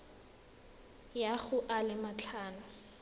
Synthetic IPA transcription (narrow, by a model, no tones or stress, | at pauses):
jaɣʊʔalɪmat͡ɬʰaːnʊ